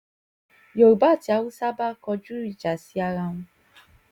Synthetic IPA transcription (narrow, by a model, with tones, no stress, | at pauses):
jo˨ɾu˨ba˦˨ti˨a˨wu˦sa˦ba˦kɔ˦d͡ʒu˦ɾi˨d͡ʒa˨si˦a˦ɣa˦ŋʷʊ˦